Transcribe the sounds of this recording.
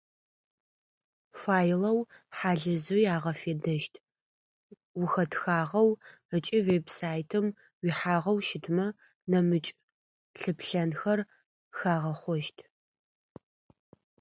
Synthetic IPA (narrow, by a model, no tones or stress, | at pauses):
faːjlɐwħaːɮɐzɨjaːʁɐfeːdɐʃtʰ | wʊxɐtxaːʁɐwət͡ʃʼiwebsaːjtʰɨm | wiħaːʁɐwʃɪtʰmɐ | nɐmɨt͡ʃʼ | ɬɨpɬɐnxɐr | xaːʁɐχʷɔʃtʰ